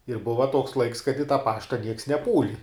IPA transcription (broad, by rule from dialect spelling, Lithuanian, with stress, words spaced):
ɪr ˈbʊʋɐ tuɔks lˠɐɪks kɐt ɪ tɑː ˈpɑːʃtɐ nʲiɛks nʲɛˈpuːlʲɪ